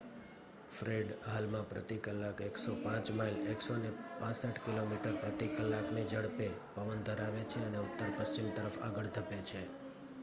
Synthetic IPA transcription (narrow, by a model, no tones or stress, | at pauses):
fɾeɖɦalmãpɾə̰t̪ikəlːakeksopãt͡ʃmaileksonepãsəʈkilomiʈəɾpɾət̪ikəlːaknid͡ʒəɽpepəʋənd̪ʱəɾaʋet͡ʃʰeəneʊt̪ːəɾpəst͡ʃimt̪əɾəfa̰ɡəɭt̪ʰəpet͡ʃʰe